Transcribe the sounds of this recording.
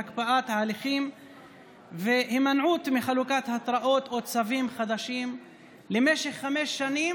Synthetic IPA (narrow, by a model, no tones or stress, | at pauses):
akpaʔat̪haaliχim | vehimanʕut̪miχalukat̪hat̪ʁaʔo̞t̪ot͡savimχad̪aʃim | lemeʃe̞χːameʃːanim